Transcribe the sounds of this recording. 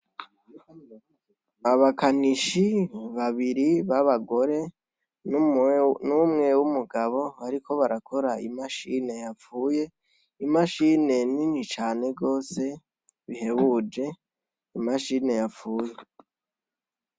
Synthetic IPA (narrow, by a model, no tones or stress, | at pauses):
aβakaniʃiβaβiɾiβaβaɡo̞ɾe̞ | n | numŋe̞wumuɡaβo̞aɾikʰo̞βaɾakʰo̞ɾaimaʃine̞jafuːje̞ | imaʃine̞ninit͡ʃaːne̞ɡo̞ːse̞ | βiɦe̞βud͡ʒe̞ | imaʃine̞jafuːje̞